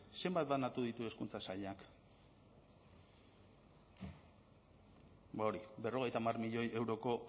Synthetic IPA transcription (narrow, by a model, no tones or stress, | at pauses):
se̞mbat̪̚d̪anat̪uðit̪ue̞skunt͡sasaʎak | bao̞ɾibe̞ro̞ɣ̞e̞jt̪amarmiʎo̞je̞wɾo̞ko̞